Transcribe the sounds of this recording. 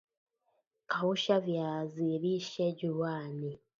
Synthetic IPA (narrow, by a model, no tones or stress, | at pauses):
kahuʃavjaːziβiʃeɟuwaːni